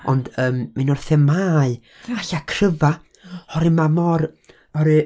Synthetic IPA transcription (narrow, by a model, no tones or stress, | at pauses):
ɔ̰ndəːmːanɔrθɛmaːɨ | aɬakʰrəva | ɔɾɪmamɔɾ | ɔɾɨ